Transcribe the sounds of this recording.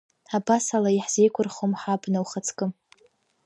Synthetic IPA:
abasalaiħz̥e̞jkʷʰʊrχomħabnawχat͡sʰkʼɨm

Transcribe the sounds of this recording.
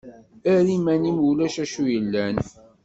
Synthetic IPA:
æɾimænimulæʃæʃujəlːæn

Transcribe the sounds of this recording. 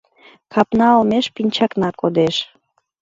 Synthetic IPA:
kʰɑpnɑlmeʃpinʲt͡ɕɑknɑkod̪eʃ

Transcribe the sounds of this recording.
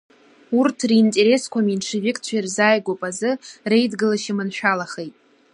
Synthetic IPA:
urtʰriːntʼe̞ɾe̞skʷʰaminʈ͡ʂʰɨvɪkʼt͡ɕʷʰairzaːjɡʷopʼazɨre̞jdɡɨlaʃɪmɨnʃᶣalaχe̞jtʼ

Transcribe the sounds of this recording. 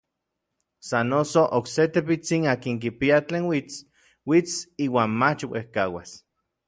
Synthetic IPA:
sanosoʔokset̪epit͡sinaːkiŋk̬ipiat͡ɬeːnwit͡s | wit͡siːwaːnmat͡ʃwḛhkawa̰s

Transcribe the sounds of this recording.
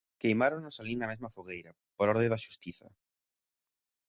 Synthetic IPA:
kejmaɾoŋnʊsalinɐmezmɐfoɣ̞ejɾɐ | poɾɔɾðẽðaʃu̥st̪iθɐ̰

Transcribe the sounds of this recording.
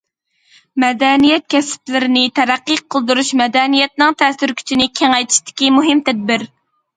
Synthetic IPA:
mɛd̪ɛnijɛt̪̚kʲʰɛsɪ̥plɪɾɪnɪt̪ʰæɾæqːiqʰːəlˠd̪uɾuʃmɛd̪ɛnijɛt̪̚nɨŋt̪ʰɛsyɾkʲʰy̥t͡ʃʰinɪkʲʰeŋɛjt̪ʰi̥ʃt̪ɪ̥kʲimuɦɪmt̪ʰɛd̪̚bɪɾ

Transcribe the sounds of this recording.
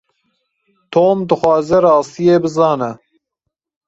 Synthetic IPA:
t̪ʰoːmd̪ɨxwɑːzɛɾɑːst̪ijeːbɨzɑːnɛ

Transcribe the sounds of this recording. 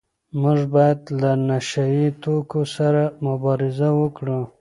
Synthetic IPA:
mʊʐbɑjad̪lanaʃajit̪okosaɾamʊbɑɾɪzawəkɽu

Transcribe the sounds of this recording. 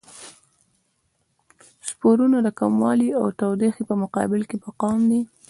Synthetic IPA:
spoɾunad̪əkamwɑliawt̪awd̪exipəmʊqɑ̰bɪlkepaqɑmd̪i

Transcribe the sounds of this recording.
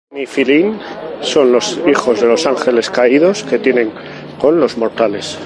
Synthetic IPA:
nifilinso̞nlo̞sixo̞zðe̞lo̞saŋxe̞le̞skaið̞o̞ske̞t̪je̞nẽ̞ŋ | ko̞nlo̞zmo̞ɾt̪ale̞s

